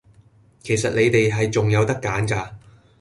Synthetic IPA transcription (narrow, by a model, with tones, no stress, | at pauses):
kʰe˨˩jsɐ˨t̚le˨˧jt̪e˨jɦɐ˨jt͡sʊ˨ŋjɐ˨˧wt̪ɐ˥kːaː˨˥nkaː˧